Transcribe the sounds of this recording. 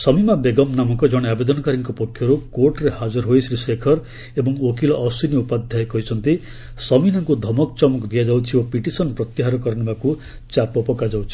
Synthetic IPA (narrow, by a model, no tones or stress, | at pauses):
sɔmimabeɡɔmnamɔkɔd͡ʒɔɽ̃eabed̪ɔnɔkaɾiŋkɔpɔkʰːjɔɾukoɾʈɾehad͡ʒɔɾɦojsɾisekʰɔɾ | ebɔŋokilɔʔːsuniupad̪ʱajekɔit͡ʃʰɔnt̪i | sɔminɔŋkud̪ʱɔmɔkt͡ʃɔmɔkd̪ijad͡ʒawt͡ʃʰiopiʈisɔnpɾɔt̪iɦaɾɔkɔɾɔnibaku | t͡ʃapɔpɔkad͡ʒawt͡ʃʰi̥